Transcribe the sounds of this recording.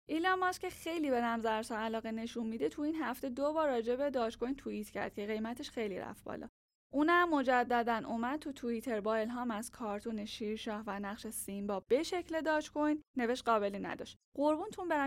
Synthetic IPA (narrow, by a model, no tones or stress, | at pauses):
ʔilɒmɒscʰe̞xe̞jlibe̞næmzæɾsɒælɒːɣene̞ʃunmid̪et̪ʰuinhæft̪e̞d̪obɒːɾːɒːd͡ʒebe̞d̪ɒːt͡ʃkʰo̞jnt̪ʰuit̪ʰcʰæ̰ɾd̪̥̚cʰe̞ɣe̞jmæt̪ʰeʃxe̞jliɾæ̰fbɒ̰lɒ̰ː | ʔuːnæmːo̞d͡ʒæd̪ːæd̪ænʔomæd̪̚t̪ʰut̪ʰuit̪ʰe̞ɾbɒːe̞lɦɒːmæz̥kʰɒːɾt̪ʰuːne̞ʃiːɾʃɒːhvænæχʃesimbɒːb̥e̞ʃecʰle̞d̪ɒːt͡ʃkʰojnːe̞ve̞ʃt̪̚ɢɒːbe̞linæ̰d̪ɒ̰ʃt̪ɢoɾbunt̪ʰunbeɾæ